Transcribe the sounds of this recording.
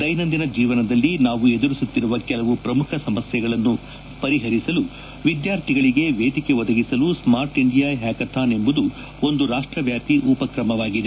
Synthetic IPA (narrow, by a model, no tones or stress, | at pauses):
d̪ɐjnɐnd̪inɐd͡ʒiːʋɐnɐd̪ɐlːinaːʋued̪uɾisut̪ːiɾuʋɐkɛlɐʋupɾɐmukʰɐsɐmɐsjɛɡɐɭɐnːu | pɐɾiɦɐɾisɐlu | ʋid̪jaːɾt̪ʰiɡɐɭiɡe̞ʋeːd̪ike̞ʋɔd̪ɐɡisɐlusmaːɾʈiɳɖijaːɦɛːkɐt̪ʰaːne̞mbud̪u | o̞nd̪uɾaːʂʈɾɐʋjaːpiʔuːpɐkɾɐmɐʋaːɡid̪e